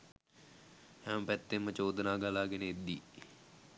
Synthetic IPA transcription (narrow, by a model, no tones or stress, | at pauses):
hɛməpæt̪ːemːət͡ʃoːd̪ənaːɡalaːɡenəed̪ːi